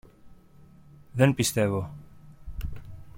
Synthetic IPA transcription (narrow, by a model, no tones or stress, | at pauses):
ðe̞npist̪e̞vo